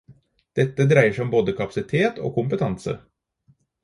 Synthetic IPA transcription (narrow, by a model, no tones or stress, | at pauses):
d̪̥ɛt̪ːəd̪ɾæɪəʂæɔmboːd̪əkʰɑpɑ̥sɪt̪ʰeːt̪ʰo̰ːkʰʊmpət̪ʰɑnsə̰